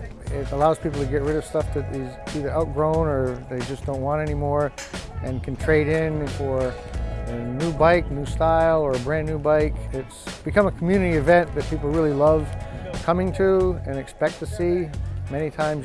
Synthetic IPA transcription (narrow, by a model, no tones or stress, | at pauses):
ɪɾəlaʊz̥pʰipl̩ˠtʰɨɡɛt̚ɹɪɾʌv̥stʌfðɨt̪̚ðɪziðə˞ʔaʊt̚ɡ̥ɹõʊ̃nə˞ðeɪd͡ʒʌsd̥õʊ̃nʔ̚wɑ̃ɾ̃ɛnimɔɹ | ɨ̃nkʰn̩tʰɹ̥eɪɾɪ̃nfə˞ | ɨnʉbaɪk̚nʉstaɪlˠə˞ɨbɹæ̃nːʉbaɪkɪtsb̥ɨkʰʌ̃məkʰm̩jʉnɨɾiɨvɛ̃nðɨt̚pʰipl̩ˠɹɪlˠilʌv̥kʰʌmɪ̃ŋtʰʉɨ̃nɨkspɛk̚t̪̚ʰɨsimɛñitʰãɪ̃mz